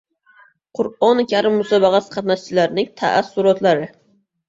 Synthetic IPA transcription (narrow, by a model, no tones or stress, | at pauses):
qʰʊɾɒnkʲaɾɪmːusɑbɑʁɑsqʰɑt̪naʃt͡ʃʰilaɾnɪŋt̪ʰa̰ʔæsːʊɾɒt̪laɾɪ